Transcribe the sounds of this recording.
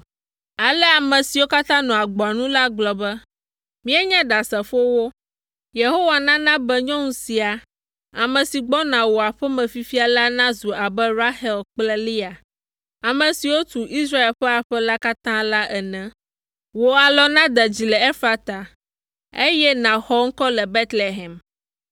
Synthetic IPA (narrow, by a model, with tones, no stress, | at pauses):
a˨lɛ˦a˨mɛ̃˨si˨wo˦ka˦t̪ã˦nɔ̃˨a˨ɡ͡bɔ˨a˨nũ˦la˦ɡ͡blɔ˨bɛ˦ | mĩ˦ɛ˦ɲɛ̃˦ɖa˨sɛ˨fo˦wo˦ | je˨ɦo˦wa˨nã˦nã˦bɛ˦ɲɔ̃˦ŋũ˦si˨a˨ | a˨mɛ̃˨si˨ɡ͡bɔ˦nã˨wo˨a˨ɸɛ˦mɛ̃˨fi˦fi˦a˨la˦nã˦zu˨a˨bɛ˦ɾa˦hɛ˦lk͡plɛ˦li˦a˨ | a˨mɛ̃˨si˨wo˦t̪u˨ʔi˦sɾa˦e˨lɸɛ˦a˨ɸɛ˦la˦ka˦t̪ã˦la˦ʔɛ˨nɛ̃˨ | wo˨a˨lɔ˦nã˦d̪ɛ˨d͡ʑi˨lɛ˨ɛ˦fa˨t̪a˨ | ḛ˦jɛ˦nã˨xɔ˦ŋ̩˦kɔ˦lɛ˨be˦t̪le˨ɦɛ˨m